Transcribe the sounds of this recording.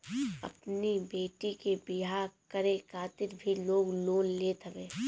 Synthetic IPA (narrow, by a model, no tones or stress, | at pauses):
ɐ̰pnibeːʈikebɪɦaːɾkəɾekʰaːt̪ɪɾbʱiloːɡloːnlet̪ʰɐʋeː